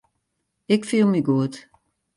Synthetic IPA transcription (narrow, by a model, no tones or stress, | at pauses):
ɪkfilˠmiɡuət